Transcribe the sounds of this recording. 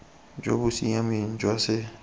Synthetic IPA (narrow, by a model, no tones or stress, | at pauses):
d͡ʒo̰busijãmĩn̩d͡ʒɔse